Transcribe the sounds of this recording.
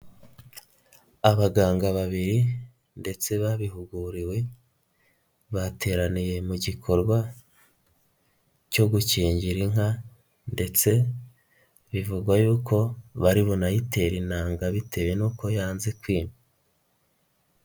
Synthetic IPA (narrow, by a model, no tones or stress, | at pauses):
aβaɡaːŋɡaβaβiɾi | nde̞t͡se̞βaβiɦuɡuɾiwe̞ | βate̞ːɾanije̞muɟikʰo̞ɾɡwa | co̞ɡuciːɲɟiɾiŋ̥a | nde̞t͡se̞ | βivuɡwajuːko̞βaɾiβonajitʰe̞ɾinaːŋɡaβitʰe̞we̞nuːko̞jaːnze̞kwiːnu